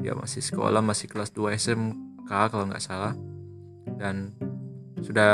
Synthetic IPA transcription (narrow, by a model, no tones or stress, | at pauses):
ija̰ma̰sɪhsə̥ko̰lahmasɪhklasduaɛsɛmkakaloŋɡa̰ʔsalah | dan | suda